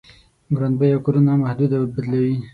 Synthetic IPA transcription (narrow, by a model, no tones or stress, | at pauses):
ɡɾand̪bəjawkoɾunamahd̪ud̪awbad̪lawi